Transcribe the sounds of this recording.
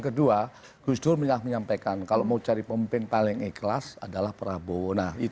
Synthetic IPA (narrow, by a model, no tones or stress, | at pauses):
ŋkədua | ɡ̥usdʊrməɲak̚məɲampakankaloʔmaut͡ʃaɾipəmimpɪnpalɪŋɛkəlasadalahpəɾabowonahi